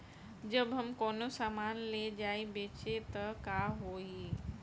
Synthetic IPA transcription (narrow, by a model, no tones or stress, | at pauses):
d͡ʒəbɦəmkoːnosaːmaːnled͡ʒaːibeːt͡ʃet̪əkaɦoːi